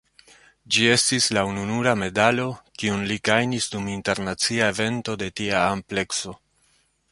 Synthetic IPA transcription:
d͡ʒie̞stislaununuɾame̞dalo̞kiunlikajnisduminte̞ɾnat͡siae̞ve̞nto̞de̞tiaːmple̞kso̞

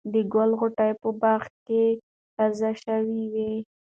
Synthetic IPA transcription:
d̪əɡalɣʊʈajpəbɑxt̪̚ke | tazaʃawiwi

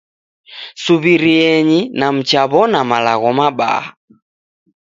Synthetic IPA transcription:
suβiɾiɛɲinam̩t͡ʃaβɔnamalaɣɔmaɓa̰a

